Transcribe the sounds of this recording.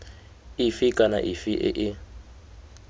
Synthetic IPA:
ifikʼana̰ʔifiʔɪ̰ʔɪ

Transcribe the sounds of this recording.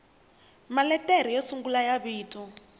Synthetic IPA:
malɛteɾ̤ijesuŋɡulajaβiːtʰʼu

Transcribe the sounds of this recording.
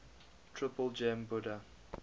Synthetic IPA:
tʰɹ̥ɪpəlˠd͡ʒɛ̃mbʊdə

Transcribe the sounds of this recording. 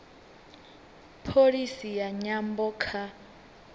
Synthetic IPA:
pʰolisijaɲambɔkʰa

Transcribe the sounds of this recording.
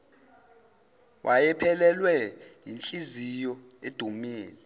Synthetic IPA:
wʔajɛpʰɛlɛlwɛjint͡ɬʼizijɔ | ed̥ʱumiːlɛ

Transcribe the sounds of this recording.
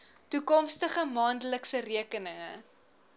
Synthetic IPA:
tukɔmstəχəmɑːndələksəriəkənəŋə

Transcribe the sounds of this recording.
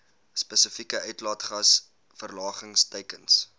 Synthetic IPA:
spəsəfikəʔœɥtlɑːtχɐs | fərlɑːχəŋstəjkəns

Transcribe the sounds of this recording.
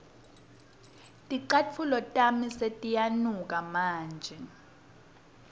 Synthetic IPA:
tʼiǀat͡fʰulɔtʼamisetʼijanuk̬ʼamaːnd͡ʒʱɛ

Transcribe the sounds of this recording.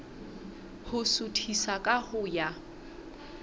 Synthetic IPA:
hʊsʊtʰisakʼahʊja

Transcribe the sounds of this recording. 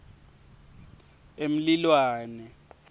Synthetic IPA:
em̩lilwaːnɛ

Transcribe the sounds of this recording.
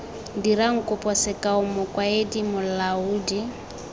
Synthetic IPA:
diɾaŋ̩kʼʊpʼɔsɪkʼaʊmʊkʼwaedimʊlauːdi

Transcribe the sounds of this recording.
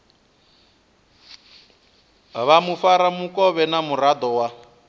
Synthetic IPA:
βamufaɾamukɔβɛnamuɾad̪ɔwa

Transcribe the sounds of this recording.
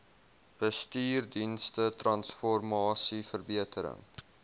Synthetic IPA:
b̥əstyːrdinstətrɐnsfɔrmɑːsifərbiətəɾə̰ŋ

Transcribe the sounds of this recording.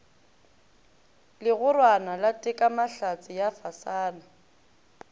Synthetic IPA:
lɪɣʊrwanalatʼɪkʼamaɬat͡sʼɪjafasaːna

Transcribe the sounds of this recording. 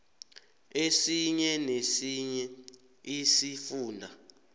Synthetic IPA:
esiɲɛnesiɲɛ | isifuːndʱa

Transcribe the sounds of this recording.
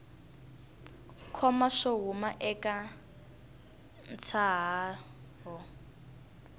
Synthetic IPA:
kʰɔmaʂoɦumaʔɛkʼa | n̩t͡sʰaɦa | ɦɔ

